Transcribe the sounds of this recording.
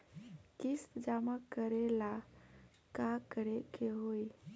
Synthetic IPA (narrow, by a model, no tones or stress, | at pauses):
kist̪d͡ʒamakəɾela | kakəɾekeɦoj